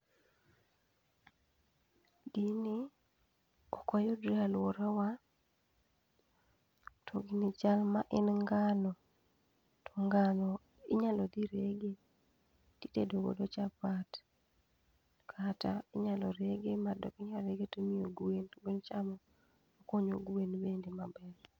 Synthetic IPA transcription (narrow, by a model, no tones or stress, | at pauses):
dini | ɔkɔjɔdɾialwoɾawa | tʰoɡinit͡ʃalmaʔɪnŋɡalɔ | toŋɡalɔ | ɪɲalɔd̪iɾeɡe | titedoɡo̰dot͡ʃapat | kʰataɪɲalɔɾeɡemadɔ̰kiɲaɾeɡetomioɡuwenbent͡ʃamɔ | okoɲoɡuwenbendemabɛl